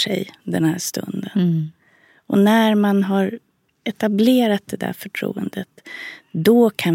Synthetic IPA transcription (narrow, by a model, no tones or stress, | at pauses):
ʂɛ̰jd̪ɛnhæːʂt̪ɵ̰nd̪ən | ɔnæɾmanɦaɾ | ɛt̪ableːɾat̪̚d̪ɛd̪æ̰ɾfœʈʰɾṵːənd̪ət̪d̪ɔkʰan